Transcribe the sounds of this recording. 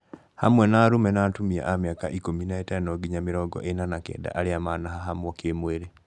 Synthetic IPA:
ha̰mwɛnaːɾumɛnaːtumia̰ʔamjakaʔikominaɛtɛnɔɡiɲameɾɔɡɔ̰ʔenanakɛ̰ːda̰ʔaɾeamanaɦaɦamwɔkemweɾe

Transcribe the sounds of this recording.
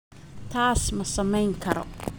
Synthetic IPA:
t̪ʰaːsmɐsɐmɛjŋkʰɐɾɔ̰

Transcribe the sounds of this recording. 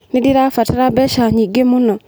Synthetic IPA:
nidiɾafataɾabɛʃaɲiɡemunɔ

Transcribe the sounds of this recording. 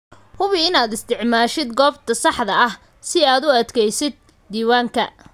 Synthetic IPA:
hʊβɪɪnaːd̪ɪst̪ʰɪʕmaːʃɪd̪ɡɔːbt̪ʰɐsɑħd̪ɐɐh | sɪaːd̪ʊɐd̪kʰɛjsɪd̪̚ːiːwaːŋkʰɐ

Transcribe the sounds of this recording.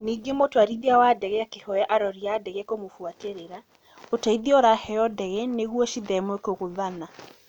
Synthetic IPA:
niːɡemotoaɾiðiawadɛɣɛakehɔɛʔaɾɔɾiadɛɣɛkomofuateɾeɾa | otaiðiɔɾahɛɔdɛɣɛneɣwɔʃiðɛmwekoɣoðana

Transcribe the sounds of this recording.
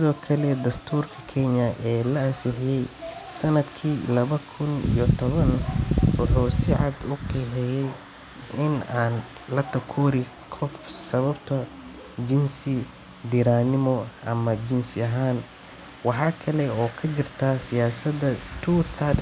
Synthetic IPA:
sɪðɔːkʰɐlɛd̪ɐst̪ʰuːrkʰɐ̥kʰɛɲɐʔɛːlɐɐnsɪħɪjɛjsɐnɐd̪kʰiːlɐβɐkʰʊnḭjɔt̪ʰɔβɐnwɑħuːsɪʕɑd̪ʊkʰɛːħɛjɛj | ɪnaːn | lɐt̪ʰɐkʰuːɾɪ | kʰɔfsɐβɐbt̪ʰɐ | d͡ʒɪnsɪ | d̪ɪɾaːnɪmɔʔɐmɐd͡ʒɪnsɪɐɦaːn | wɑħɑːkʰɐlɛɔːkʰɐd͡ʒɪrt̪ʰaːsɪjaːsɐd̪ɐt̪ʰuːt̪ɐr

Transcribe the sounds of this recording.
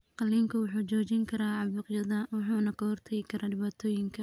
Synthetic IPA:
qɑlːiːŋkʰɐwʊħuːt͡ʃɔːt͡ʃɪŋkʰɐɾaːʕɑβuːqjɐðɐwɑħuːnɐkʰɐhɔrt̪ʰɐjɪkʰɐɾaːɖɪβaːt̪ʰɔːjɪŋkʰɐ

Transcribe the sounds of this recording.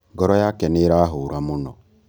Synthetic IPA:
ɡɔɾɔjakɛneɾaɦʊɾamʊnɔ̰

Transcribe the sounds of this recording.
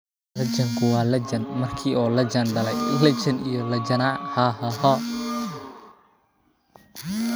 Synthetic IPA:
lɐt͡ʃɐŋkʰʊwɑːlɐt͡ʃɐnmɐrkʰiːʔɔːlɐt͡ʃɐnɖɐlɛjlɐt͡ʃɐnijɔlɐd͡ʒɐnaːhaːhaɦa

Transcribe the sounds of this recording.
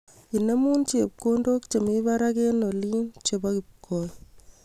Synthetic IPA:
inemunt͡ʃep̚kondoːkt͡ʃemibaɾakenolint͡ʃebakip̚kʰːoj

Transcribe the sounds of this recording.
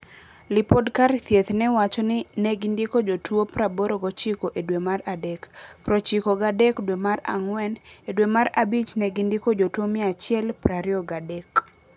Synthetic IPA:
lɪpodkart̪jet̪nɛwat͡ʃɔnɪnɛɡindikod͡ʒotwopɾaboɾoɡɔt͡ʃɪkoʔedwemaradɛkpɾot͡ʃikoɡadɛkdwemara̰ŋwɛnedwemaɾabit͡ʃnɛɡindikod͡ʒotwomɪat͡ʃɪɛlpɾaɾɪɔɡadɛk

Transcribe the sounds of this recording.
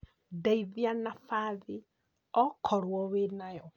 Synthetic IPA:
daiðianafaði | ɔkʰɔɾwɔwenajɔ

